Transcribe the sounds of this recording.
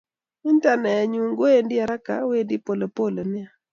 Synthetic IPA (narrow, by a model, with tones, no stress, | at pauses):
ɪ˦nta˨nɛ˨a˨ɲu˨ŋɡo˦e˦ndɪ˦a˨ɾa˦ka̰˨we˦ndi˦po˨lo˨po˦lo˨nɪ˦a˦˨